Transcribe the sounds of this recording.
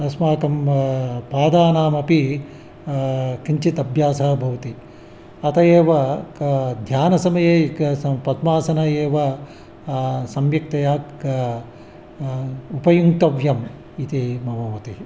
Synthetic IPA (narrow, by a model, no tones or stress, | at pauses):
ɐsmaːkɐmpaːd̪aːnaːmɐpi | kiɲt͡ʃit̪ɐbʱjaːsɐɦɐbʱɐʋɐt̪i | ɐt̪ɐeːʋɐ | d̪ʱjaːnɐsɐmɐjeːkɐpɐd̪maːsɐnɐjeːʋɐ | sɐmjɐk̚t̪ɐjaːk | upɐjuŋt̪ɐʋjɐm | it̪imɐʋoːʋɐt̪i